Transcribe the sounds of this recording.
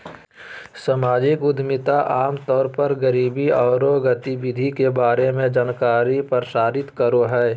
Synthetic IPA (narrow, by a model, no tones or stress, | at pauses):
samaːd͡ʒɪkʊd̪ʱmɪt̪aʔaːmt̪ɔːɾpɐɾɡəɾiːbiɔːɾoɡət̪ibɪd̪ʱikebaːɾemẽd͡ʒaːnkaːɾipəɾsaːɾɪt̪kəɾoɦɛː